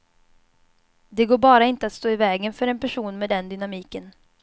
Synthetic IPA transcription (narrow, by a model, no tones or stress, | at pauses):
d̪ɛɡoːɾbɑːɾaɪnt̪əat̪st̪oːɪvɛːɡənfœɾɛnpæʂuːnmɛd̪ɛnd̪ʏnamiːkən